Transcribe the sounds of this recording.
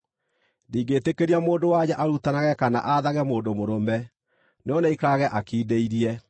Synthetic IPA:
ndiːɡeːtekeɾiamoːndowaɲaʔaɾutanaɣɛkana̰ʔaðaɣɛmoːndomoɾomɛ | neɔnɛikaɣɛʔakiːdeiɾiɛ

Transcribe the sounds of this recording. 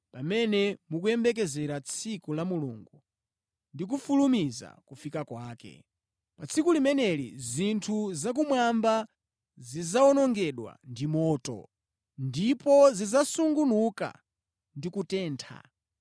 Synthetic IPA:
pamɛnɛmuk̬uɛmbɛk̬ɛzɛɾat͡sʰikulamulṵŋɡu | ndik̬ufulumiza̰kufikakwaːkɛ̰ | pat͡sʰikulimɛnɛlḭzintʰuzak̬umwamba | zizaɔnɔŋɡɛɗwa̰ndimɔːtɔ̰ | ndipɔzizasuŋɡunuka̰ | ndikutɛːntʰa̰

